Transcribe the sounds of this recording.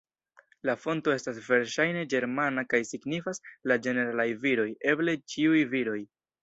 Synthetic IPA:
lafo̞nto̞e̞stasve̞ɾʃajne̞d͡ʒe̞ɾmanakajsiɡnifaslad͡ʒe̞ne̞ɾalajviɾo̞je̞ble̞t͡ʃiujviɾo̞j

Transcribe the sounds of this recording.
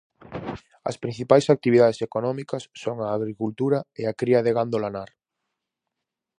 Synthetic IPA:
ɐ̰spɾĩn̟θipajsak̚t̪iβiðaðesekonɔmikɐsːoŋaːɣɾikult̪uɾɐeakɾiɐðeɣand̪olanaɾ

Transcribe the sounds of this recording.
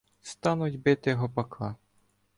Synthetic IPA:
st̪ɑnʊtʲbɪt̪ɪjɦɔpɐkʰɑ

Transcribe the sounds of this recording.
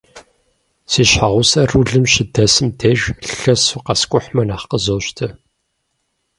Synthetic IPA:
siːɕħaʁʷʊsɐruɮɨmɕɪdɐsɨmdɐʒɬɐsuqɐskʷʼʊħmɐnaːχqəzoːɕtʰɐ

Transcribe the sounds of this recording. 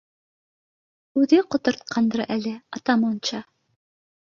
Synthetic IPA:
ʉðɘqŏt̪ŏɾt̪̚qʰɑnd̪ɤɾʔælɘɑt̪ɑmont͡ɕɑ

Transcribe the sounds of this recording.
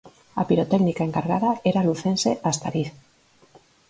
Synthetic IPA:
a̰piɾot̪eɣnikae̞ŋkaɾɣaðaeɾaluθenseʔast̪aɾiɾ

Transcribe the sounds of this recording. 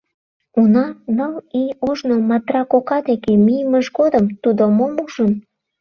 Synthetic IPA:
unɑnəlijoʒnomɑt̪rɑkokɑd̪ekemijəməʒɡod̪əmt̪ud̪omomuʒən

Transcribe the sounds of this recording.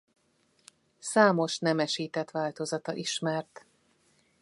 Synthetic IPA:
saːmo̞ʃnɛmɛʃiːt̪ɛt̪ʋaːlt̪o̞zɒt̪ɒʔiʃmɛrt̪

